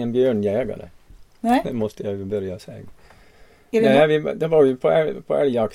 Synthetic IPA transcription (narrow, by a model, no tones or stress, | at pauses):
ɛnbjøːɳjæːɡɑ̰ɾə̰ | d̪ɛmɔt̪əjæɪbœɾjɑsæːɡ | æʋɪ̰d̪ɑːʋɑːɾʋɪpʰoæpʰo̰æ̰ljɑk